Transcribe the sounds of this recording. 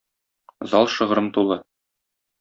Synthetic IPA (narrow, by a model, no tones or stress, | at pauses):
zɒlˠʃɤ̆ʁɤ̆ɾɤnt̪ulˠɤ